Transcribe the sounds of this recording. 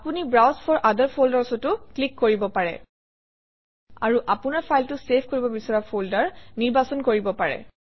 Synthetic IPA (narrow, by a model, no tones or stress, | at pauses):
punibɹawspʰɔɹʔadəɹpʰoldaɹsɔtʊklikːoɹibɔpaɹɛ̰ | aɹuʔapʊnaɹpʰajltʊsepʰkoɹibɔbisɔɹapʰoldaɹniɹbasɔnkoɹibɔpaɹɛ̰